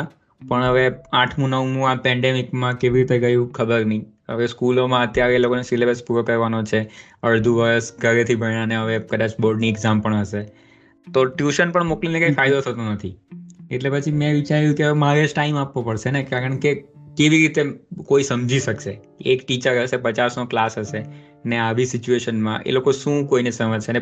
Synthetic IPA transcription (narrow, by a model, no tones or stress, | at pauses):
pəɳɦəʋeaʈʰmũnəʋmũapɛ̃ɳɖemikmãkeʋiɾit̪eɡəjũkʰəbəɾnəĩ | ə̰ʋeskulomãət̪jaɾelokonesilebəspuɾokəɾʋanot͡ʃʰe | əɭd̪ʱuʋəɾəsɡʱəɾet̪ʰibʱəñaneɦəʋekəd̪at͡ʃboɾɖniɛɡzampəɳəʃe | t̪oʈjuʃənpəɳmoklinekajfʰaid̪ot̪ʰət̪onət̪ʰieʈlepət͡ʃʰimɛ̃ʋit͡ʃaɾjũkemaɾed͡ʒʈaimapʋopəɽʃenekaɾəɳkekeʋiɾit̪ekoisəmd͡ʒʱiʃəkʃe | ekʈit͡ʃəɾɦəʃepət͡ʃasnoklasɦəʃe | neaʋisit͡ʃueʃənmã̰ʔḛlokoʃũkoinesəməd͡ʒʃene